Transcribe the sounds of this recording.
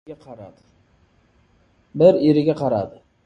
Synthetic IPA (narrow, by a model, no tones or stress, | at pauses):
ɾad̪ | bɪɾeɾɪɡʲaqʰɑɾad̪ɪ